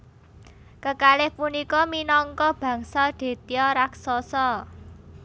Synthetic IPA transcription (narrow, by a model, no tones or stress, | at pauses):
kəkalehpunikɔminɔŋkɔb̥ä̤ŋsɔɖ̪̥e̤t̪iɔɾaksɔsɔ